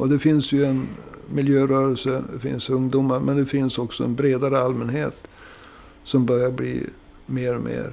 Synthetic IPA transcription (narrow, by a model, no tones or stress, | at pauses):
ɔd̪ɛfɪnsjɵɛnmɪljøːɾœːɾɛlsəd̪ɛfɪ̰nsɵŋd̪uːmaɾmʔɛnd̪ɛfɪnsɔksɔɛ̰nbɾeːd̪aɾəalmɛnɦeːt̪ | sɔmbœɾjaɾblḭː | meːɾɔmḛːɾ